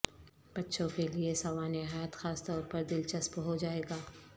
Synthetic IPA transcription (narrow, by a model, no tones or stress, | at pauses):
b̥ɐtːʃʰõkeliesɐʋaːneɦaːjat̪xaːst̪ɔːɾpɐɾd̪ɪlt͡ʃɐspɦod͡ʒaːeːɡaː